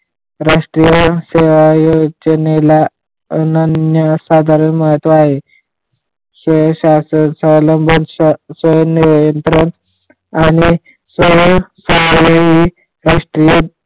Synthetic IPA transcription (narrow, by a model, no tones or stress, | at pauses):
ɾaʂʈɾijəseʋajoɡd͡ʑənela | nənjəsad̪ʱaɾənməɦət̪ʋaaɦe | sʋəɕasənsələmbʱənssʋəjəniɾjənt̪ɾənt̪ | ani | sʋəɦsənʋəɦi | ɾaʂʈɾijə